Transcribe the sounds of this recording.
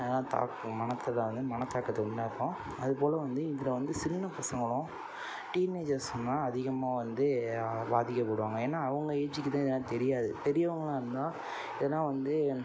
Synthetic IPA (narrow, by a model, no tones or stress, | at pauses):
ðnãːt̪a̰ːkmɐnɐt̪ːɐlɐʋɐnd̪ɯmɐnɐt̪ːaːkːɐt̪ːɯɐnnãːɪɾpːõ | ɐðɯpoːlɐʋɐnd̪ɯɪdɪlɐʋɐnd̪ɯsɪnːɐpɐsɐŋɡɐɭʊ̃ | ʈiːneːd͡ʒɐɾsʊ̃nːãːɐðɪɣɐmaːʋɐnd̪ɯbaːðɪkʲːɐpoːɽɯʋaːŋɡɐeːnːaːɐʋɐŋɡɐeːt͡ʃɪkːt̪ãːɪðɐnaːt̪ɛɾɪjaːðɯ̰pɛɾɪjɐʋɐŋɡɐɭãːɪɾɯnd̪ãː | ɪðɐnːãːʋɐnd̪ɯ